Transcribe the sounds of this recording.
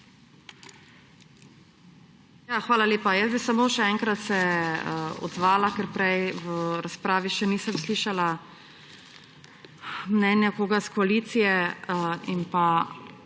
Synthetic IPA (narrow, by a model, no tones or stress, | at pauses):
jaxʋaːlaleːpajəszbisamoːʃɛɛŋkɾat̪sɛ | ɔ̰d̪zʋaːlakɛɾpɾɛjʋəɾaspɾaːʋiʃɛniːsəmsliːʃala | mnɛnjakoːɡaskɔaliːt̪sijɛ | impa